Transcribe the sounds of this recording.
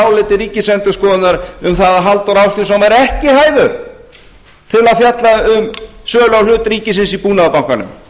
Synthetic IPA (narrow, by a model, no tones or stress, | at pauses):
wlɪːt̪ɪɾiːcɪsɛnt̪ʏskɔːðɪt̪naɾʏmθaðaɦalt̪ɔɾaːwst̪ʏsamaɾɛhcɪhaːjðʏɾ | t̪ʰɪlaðfjat̪laʏmsœːlawlʏːt̪ɾiːcɪsɪnsipuːnaðapawŋkanʏ̰m